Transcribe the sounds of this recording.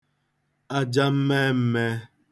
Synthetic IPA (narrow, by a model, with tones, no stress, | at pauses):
a˦d͡ʒa˦m̩˦me˦m̩˦me˦